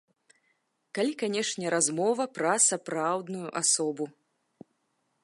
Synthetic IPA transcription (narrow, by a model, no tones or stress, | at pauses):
kalʲikanʲɛʂnʲɛɾazmɔvɐpɾɐsapɾawd̪nujuʔasɔbu